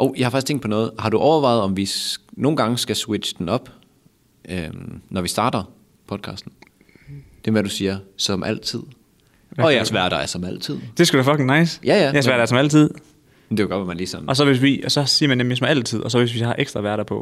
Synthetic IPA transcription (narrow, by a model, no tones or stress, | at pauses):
ʔoʊ̰jɑhɑfɑ̈ɡ̥istt͡sʰeŋ̰d̥̚pʰɒ̽nɔ̽ːð̞̩ˠhɑ̈ɾ̥uʔɒʊɐʋɑ̈ɪð̞̩ˠɒ̽mʋino̝ːn̩ɡ̥ɑ̈ŋəsɡ̥æswe̥ɕə̥d̥enɒ̽b̥ | ʔømnɒʋisd̥ɑ̈ːd̥ɐ | pʰɒ̽d̥̚kʰɑ̰̈ːsd̥n̩ | d̥e̝ʋæɾ̥usiːɐsɒ̽mʔæl̰t͡sʰið̞̰ˠ | ɒ̽jsʋæɐ̰d̥ɑæɐsɒ̽mæl̰t͡sʰið̞̰d̥e̝sɡ̥udeæfɒ̽ɡʰeŋnɑ̈ɪ̰sjæjæjæɐsʋæɐdɑæɐsɒmæl̰t͡sʰið̞̰ˠ | md̥eɡɒ̽d̥ʋemænliːsɒ̽n̩ɒ̽s̬ɒʋe̝sʋisɒ̽siːɐmænd̥emjesɒ̽mæl̰t͡sʰið̞̰ˠɒs̬ɒ̽ʋe̝sʋihɑ̈ʔeɡ̥sd̥ʁɐʋæːɐɾɑpʰɒ̽